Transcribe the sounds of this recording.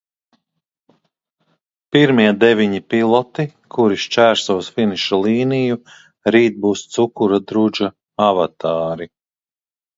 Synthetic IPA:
piɾmiɛd̪ɛvʲiɲipilˠɔt̪ikʰuɾiʃt͡ʃæːɾsuːsfiniʃalˠiːniju | ɾiːt̪̚buːst̪sukuɾad̪ɾud͡ʒa | avat̪aːɾi

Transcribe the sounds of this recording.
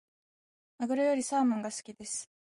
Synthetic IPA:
aɡɯ̟ɾɯ̟jo̞ɾʲisaːmɯ̃ŋɡasɨ̥kʲid̪e̞sɨ̥

